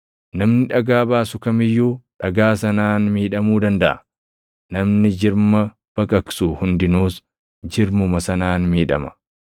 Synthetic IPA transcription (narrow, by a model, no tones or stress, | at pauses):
nɐmnɪᶑɐɡaːbaːsʊkɐmɪjːuːᶑɐɡaːsɐnaːnmiːᶑɐmuːd̪ɐnd̪ɐʔɐ̰ | nɐmnɪd͡ʒɪɾmɐ | b̥ɐkʼɐksuːhʊnd̪ɪnuːs | d͡ʒɪɾmʊmɐsɐnaːnmiːᶑɐ̰mɐ̥